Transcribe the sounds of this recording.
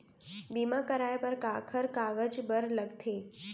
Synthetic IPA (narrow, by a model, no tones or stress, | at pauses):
bimakəɾajpəɾkakʰəɾkaɡəd͡ʒbəɾləɡt̪ʰe